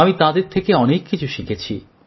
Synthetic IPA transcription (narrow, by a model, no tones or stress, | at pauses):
amit̪ad̪eɾt̪ʰekeɔnekːit͡ɕʰuʃikʰet͡ɕʰḭ